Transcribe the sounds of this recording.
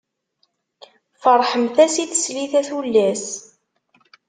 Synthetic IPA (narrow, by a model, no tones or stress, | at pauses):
fəɾˤħəmθæsiθsliθæθulːæs